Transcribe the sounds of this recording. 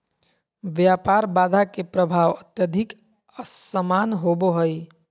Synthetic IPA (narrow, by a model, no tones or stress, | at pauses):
ʋjaːpaːɾbaːd̪ʱakepɾəbʱaːʋət̪jəd̪ʱɪk | əssəmaːnɦoboɦəj